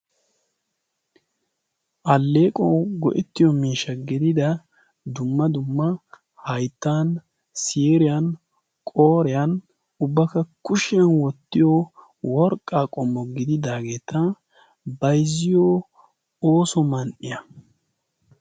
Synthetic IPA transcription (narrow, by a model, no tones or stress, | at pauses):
ʔɐlːeːkʼoɡɔ̰ʔɛt̪ːɪjɔmiːʃːɐɡɪd̪ɪd̪ɐ | d̪ʊmːɐd̪ʊmːɐ | hɐjt̪ːaːn | siːɾɪjɐn | kʼoːɾɪjɐn | ʊbːɐkɐkʊʃɪjɐnwɔt̪ːɪjɔ | wɔɾkʼːaːkʼɔmːɔɡɪd̪ɪd̪aːɡe̞ːt̪ɐ | bɐjzːɪjoː | oːsɔmɐnʔɪjɐ